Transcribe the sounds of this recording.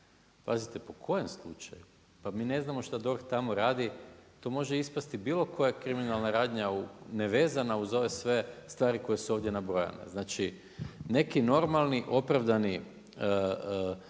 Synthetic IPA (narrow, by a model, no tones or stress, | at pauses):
pa̰zit̪e̞po̞kʰo̞je̞mslˠut͡ʃaju | pamiːne̞znamo̞ʃt̪ad̪o̞ɾxt̪amo̞ɾaːd̪it̪o̞mo̞ʒeispast̪ibiːlˠo̞kʰo̞jakɾiminalˠnaɾaːd̪ɲauneʋe̞ːzanauzo̞ʋe̞sʋe̞st̪ʋaːɾiko̞jesuo̞ːʋd̪jenabɾoja̰nḛznaːt͡ʃi | ne̞kino̞ɾmalˠniʔo̞pɾaʋd̪ani | ə